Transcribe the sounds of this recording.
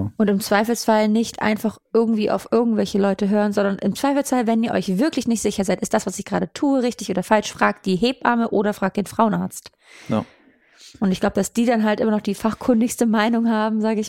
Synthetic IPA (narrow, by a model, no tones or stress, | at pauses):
ʔʊntɪmt͡sv̥aɪfl̩sfalnɪçtʔa̰ɪnfaχʔɪɐɡŋ̩tv̥iːʔa̰ʊfʔɪɐɡŋ̩tv̥ɛlçəlɔʏtəɦøːʁənzɔndɐnʔɪmt͡sv̥aɪfl̩sfalvɛniːɐʔɔ̰ʏçv̥ɪɐklɪçnɪçtz̥ɪçɐzaɪtɪstd̥asv̥asɪçɡ̥ʁaːdətʰuːəʁɪçtɪçʔoːdɐfalʃfʁ̥aːk̚td̥iːɦeːpʔa̰ɐməʔoːɾɐfʁ̥aːk̚d̥eːnfʁ̥aʊənaɐt͡st | ʔʊntɪçɡ̥laʊbəd̥asd̥iːdanɦaltʔɪ̰mɐnɔχd̥iːfaχkʰʏndɪçstəmaɪnʊŋɦaːbm̩zaːɡəɪç